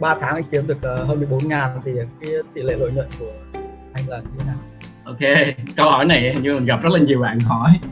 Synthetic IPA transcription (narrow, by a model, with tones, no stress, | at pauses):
ɓaː˧t̪ʰaː˨˦ŋʔa̰˧˥ŋki˨˦mɗɨ˨˩ək̚əː˨˩ɦəː˧nmɨ˨˩əjɓo˨˦nŋaː˨˩nt̪ʰi˨˩˨kaː˨˦jt̪ḭ˧˨lḛ˧˨lo̰˧˨jɲwə̰˧˨nku˧˩ə | ha˧jŋlaː˨˩˧naː˧˩m | ʔo˧˩ke˧kə˧whɔ˧˩jna˨˩jɲ˧˨m˨˩ŋɣa˨˩p̚zə˦˥t̚la˨˩ɲi˨˩əwɓa̰ː˧˨˩nɦɔ˧˩j